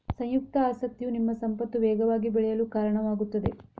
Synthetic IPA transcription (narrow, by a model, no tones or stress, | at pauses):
sɐ̃j̃juk̚t̪ɐaːsɐk̚t̪ijunimːɐsɐmpɐt̪ːuʋɛːɡɐʋaːɡibɛɭɛjɐluːkaːɾɐɳɐʋaːɡut̪ːɐd̪e̞